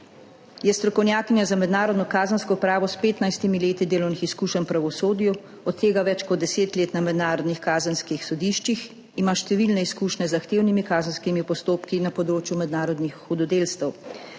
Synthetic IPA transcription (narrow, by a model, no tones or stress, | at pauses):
jɛst̪ɾɔkɔwnjaːkinjazamɛd̪naːɾɔd̪nɔkaːzənskɔupɾaːʋɔspeːt̪najst̪imileːt̪id̪eːlɔwnixiskuːʃənpɾaʋɔsoːd̪ju | ɔt̪t̪ːeːɡaʋɛt͡ʃkɔd̪̚ɛseːt̪leːt̪namɛd̪naːɾɔd̪nixkaːzənskixsɔd̪iʃt͡ʃix | imaːʃt̪ɛʋilnɛiskuːʃnɛzaxt̪eːwnimikaːzənskimipɔst̪oːpkinapɔd̪ɾoːt͡ʃjumɛd̪naːɾɔd̪nixxɔd̪ɔd̪eːlst̪ɛw